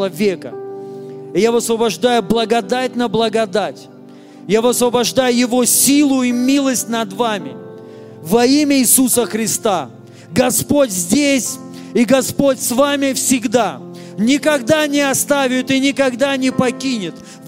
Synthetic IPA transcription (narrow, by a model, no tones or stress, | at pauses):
ɐvʲekə̰ | ɪjavəsvəbɐʐd̪ajʊblˠəɡɐd̪at̚ʲnəblˠəɡɐd̪atʲ | javəsvəbɐʐd̪ajʊjɪvo̞sʲilˠʊimʲilˠəsʲtʲnɐd̪vamʲɪ̰ | vɐimʲəɪsusəxɾʲɪst̪a | ɡɐspotʲzʲdʲesʲ | iɡɐspotʲsvamʲɪfsʲɪɡd̪a | nʲɪkɐɡd̪anʲɪɐst̪avʲɪt̪ɪnʲɪkɐɡd̪anʲɪpɐkʲinʲɪt̪